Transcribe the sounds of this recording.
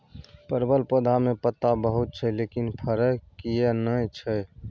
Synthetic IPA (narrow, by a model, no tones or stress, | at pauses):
pəɾbəlpod̪ʱamẽpət̪ːabəɦut̪̚t͡ʃʰɛlekinpʰəɾəkijenəjt͡ʃʰɛ